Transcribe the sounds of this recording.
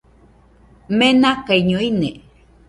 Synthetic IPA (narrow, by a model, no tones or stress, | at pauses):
menakaiɲoine